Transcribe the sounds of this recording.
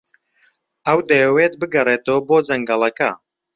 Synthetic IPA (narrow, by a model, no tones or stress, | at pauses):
ɐwd̪ɐjɛwet̪̚bɨɡɐreːt̪owboːd͡zɐŋɡɐlˠɐkɐ